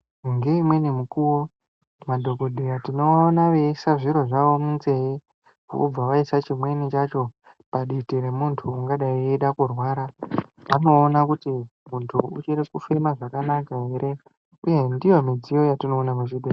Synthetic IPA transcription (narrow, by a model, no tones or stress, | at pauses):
ŋɡe̞imwe̞nimukuwo | madʱo̞ɡo̞dʱeɾatino̞ːnaʋe̞saʐiɾo̞ʐaʋo̞munt͡se̞i | o̰b͡vaʋaisat͡ʃimwe̞nit͡ʃat͡ʃo̞ | paɗitiɾemuntʰuːŋɡaɗaieɗakurwaɾaʋano̞ːnakutimuntʰuut͡ʃerekufe̞maʐakanakaɦe̞ɾe̞ | uje̞ndijomid͡zijo̞jatino̞ːnamuʃide